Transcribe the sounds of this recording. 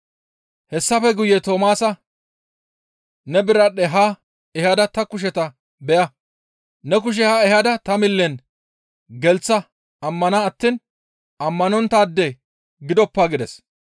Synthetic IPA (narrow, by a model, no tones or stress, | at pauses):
hɛsːɐfɛɡʊjɛt̪o̞ːmaːsɐ | nɛbɪɾɐɗɛɦa | ɛhɐd̪ɐt̪ɐkʊʃ̬ɛt̪ɐ | bɛʔɐ | nɛk̬ʊʃ̬ɛhɐɛhɐd̪ɐt̪ɐmɪlːɛn | ɡɛlt͡sːɐ | ɐmːɐnaːt̪ːiːn | ɐmːɐnɔnt̪ːaːd̪ːɛ | ɡɪd̪ɔpːaːɡɪd̪ɛs